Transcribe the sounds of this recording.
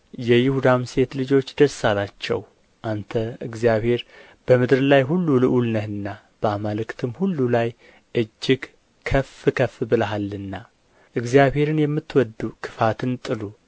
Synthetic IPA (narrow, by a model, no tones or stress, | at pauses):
jɛjɪhud̪amse̞t̪lɨd͡ʒo̞t͡ʃːd̪əsalat͡ʃːɛ̰w | ʔant̪ʰəɨɡzijaβhe̞ɾ | b̥əmɨd̪ɾlajɦulːulɨʔulnəhɨnːa | b̥əamalɨkt̪ʰɨmhulːulaj | ʔɨd͡ʒːɪɡ | kʰəfːɨkʰəfːbɨləɦalːɨnːa | ʔɨɡzijaβhe̞ɾɨnjɛmːɨt̪ːwɔd̪ːukʰɨ̥fat̪ʰɨnt̪ʼɨlu